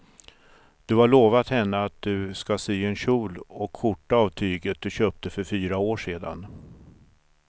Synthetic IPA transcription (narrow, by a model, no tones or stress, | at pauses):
d̪̥ɵhaɭoːvat̪hɛnːəat̪̚d̪ɵskasyːɛnɕuːlɔkfʊʈːaavt̪ʰyːɡət̪̚d̪̥ɵɕøːp̚t̪əfœɾfyːɾaoːʂeːd̪a̰n